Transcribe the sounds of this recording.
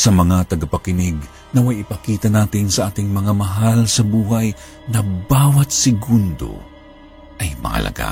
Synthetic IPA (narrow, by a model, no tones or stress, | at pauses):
sɐmɐŋat̪ɐɡapɐkɪnɪɡ | nɐwajɪpɐkiːt̪ɐnaːt̪ɪnsɐʔaːt̪ɪŋmɐŋamɐɦalsɐbuːɦaj | nɐbaːwɐt̪̚sɪɡund̪o̞̰ | ʔɐjmɐ̰hɐ̰lʔɐ̰ɡa̰